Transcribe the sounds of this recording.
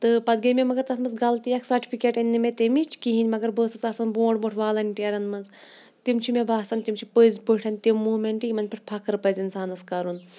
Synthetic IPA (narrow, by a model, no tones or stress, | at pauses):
t̪ɨpɐd̪ɡɐmʲemɐɡɐɾt̪ɐsʰmɐsɡɐlt̪ijɐksɐɾʈʰʲi̥pʰikʲeːʈinʲːimʲet̪emit͡ʃʰkiɦinʲmɐɡɐɾbəːsɨt͡sɐsɐnboːɖboʈʰʋaːlɐnʲʈiɐɾɐnmɐnz | t̪imt͡ʃʰimebaːsɐnʲt̪imt͡ʃʰipəzpɨʈʰɐnʲt̪imːuːmeɳʈijimɐnʲpʰɐʈ̚ʰʲpʰakɨɾpɐzʲinsaːnɐskɐɾun